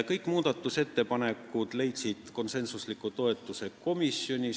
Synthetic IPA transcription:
kɤjkːˑmuːd̪̥ɑt̪ːˑuse̞t̪ːe̞pɑnekːˑud̪̥le̞jt̪sid̪̥ko̞nse̞nsuslikːˑut̪o̞e̞t̪ːˑuse̞ko̞misjo̞nʲi

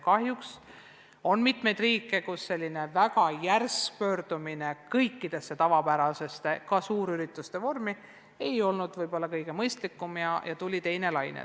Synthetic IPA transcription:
kɑhjuks | o̞nmit̪me̞jd̪̥riːkːe̞kusːe̞lʲːine̞vækɑjærspø̞ːɾd̪̥uminekɤjkːid̪̥e̞sːe̞t̪ɑvɑpæɾɑse̞se̞kɑsuːɾyɾit̪ːˑust̪e̞vo̞rmi | e̞jo̞lnud̪̥vɤjb̥o̞lːɑkɤjɡ̥e̞mɤjst̪likːˑumjɑjɑt̪ulʲit̪e̞jne̞lɑjnḛ

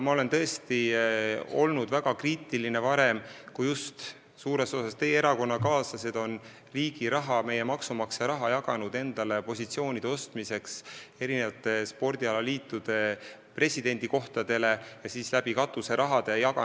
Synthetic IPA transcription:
mɑo̞le̞nt̪ɤ̞e̞st̪i | o̞̰lnud̪̥væɡ̥ɑkriːt̪ˑiline̞vɑɾe̞mkujust̪ | suːɾe̞so̞sɑst̪e̞ːe̞ɾɑko̞nːɑkɑːsɑse̞d̪o̞n | riːɡ̥iɾɑɦɑme̞je̞mɑksumɑkseɾɑɦɑjɑɡ̥ɑnud̪̥e̞nd̪̥ɑle̞po̞sit̪sio̞ːnʲid̪eo̞st̪mise̞kse̞ɾine̞vɑt̪ːˑe̞spo̞rd̪̥ʲiɑlɑliːt̪ːˑud̪̥e̞ | pre̞sʲid̪e̞nʲd̪̥iko̞ht̪ɑd̪̥e̞le̞jɑsiːslæb̥ikɑt̪ːˑuse̞ɾʔɑɦɑd̪̥e̞jɑɡɑ

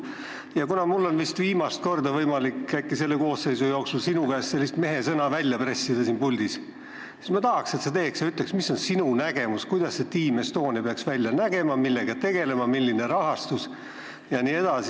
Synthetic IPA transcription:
jɑkunɑmulːo̞nvist̪viːmɑst̪̚ko̞rd̪ɑvɤjmɑlikːækːise̞lːeko̞ːsːe̞jsujo̞ːksulsinukæːst̪se̞lːist̪me̞ɦe̞sɤnɑvælʲjɑpre̞sːid̪̥ɑsiːnpulʲd̪̥is | si̥smɑt̪ɑhɑkset̪set̪e̞ːksjɑyt̪leksmiso̞nsinunæɡ̥e̞muskujd̪̥ɑsːe̞t̪iːmest̪o̞ːnipeɑksvælʲjɑnæɡe̞mɑmilːe̞ɡɑt̪e̞ɡ̥e̞le̞mɑmilʲːineɾɑɦɑst̪us | jɑniːe̞d̪̥ɑsi

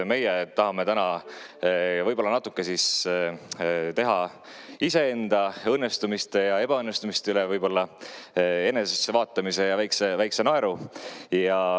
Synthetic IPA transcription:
me̞jet̪ɑɦɑme̞t̪ænɑ | vɤjb̥o̞lːɑnɑt̪ːˑukːˑe̞sis | t̪e̞ɦɑ | ise̞end̪̥ɑɤnːest̪umist̪ejɑe̞b̥ɑɤnːest̪umist̪eylevɤjb̥o̞lːɑ | e̞ne̞sesːevɑːt̪ːˑɑmise̞jɑvæjksevæjkse̞noe̞ɾujɑ

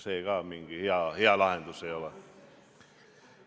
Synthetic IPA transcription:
seikɑːmiŋɡihiɑhiɑlɑhent̪useiole

